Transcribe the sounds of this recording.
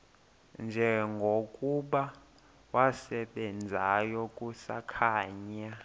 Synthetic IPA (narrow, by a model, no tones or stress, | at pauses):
nd͡ʒʱɛŋɡʱokʼuɓa | wasɛɓɛnd͡zʱajɔkʼusa̰kʰaːɲa